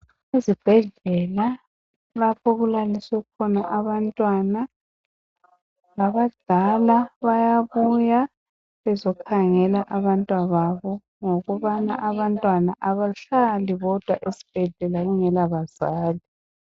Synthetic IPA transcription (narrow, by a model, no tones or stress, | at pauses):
ezib̥ʱɛɮɛla | lapʰɔɣulaliswɛɣukʰɔnaʔaβantʼwana | laβad̥ʱalaβajaβuja | βɛzɔkʰaŋɛlaʔaβantʼwaβaβɔ | ŋoɣuβanaʔaβantʼwanaʔaβaɬaliβɔd̥ʱwaʔesi̥b̥ʱɛɮɛlaɣuŋɛlaβaz̥aːli